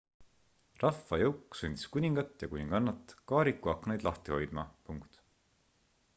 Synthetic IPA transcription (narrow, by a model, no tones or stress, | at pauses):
rɑfːɑjɤwkˑːsunʲd̪̥ʲi̥skunʲiŋɡ̥ɑt̪ːjɑkunʲiŋɡ̥ɑnːɑt̪ːˑkɑːɾikːˑuɑkːnejd̪lɑht̪iho̞jd̪̥mɑ̰puŋkt̪